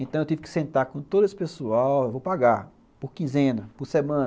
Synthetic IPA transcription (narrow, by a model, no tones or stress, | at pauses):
ẽt̪ɐ̃ewt̪ivɪkɪ̥sẽnt̪aɾkõt̪od̪ʊesɪ̥pesuawewvowpaɡaɾ | poɾkĩzẽnɐpʊɾsemɐ̃n